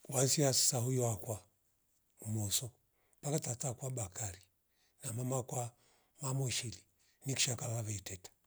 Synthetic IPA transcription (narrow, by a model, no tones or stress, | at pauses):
wansiasi̥sahujɔakwa | umɔsɔ | pakatatakwabakaɾi | namamakwa | mamɔʃili | niki̥ʃakaβaβɛitɛtḁ